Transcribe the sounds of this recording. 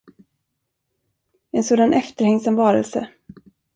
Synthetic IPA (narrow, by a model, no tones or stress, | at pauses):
ɛnsoːd̪anʔɛft̪əɾhɛŋsamvɑːɾə̰lsə̰